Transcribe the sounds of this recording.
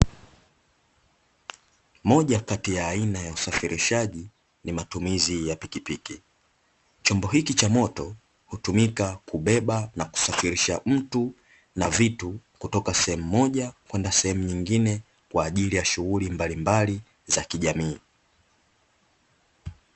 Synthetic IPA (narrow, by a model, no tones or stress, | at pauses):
mɔʄakatijaːinajausafiɾʔiʃaʄi | nimatumizijapikipiki | t͡ʃɔmbɔɦikit͡ʃamɔtɔ | hutumikakuɓɛɓanaku̥safiɾiʃam̩tu | navitukutɔkasɛhɛmumɔʄakwɛndasɛhɛmuɲiŋɡinɛ | kwaːʄilijaʃuɣulimbalimbali | zakiʄamiː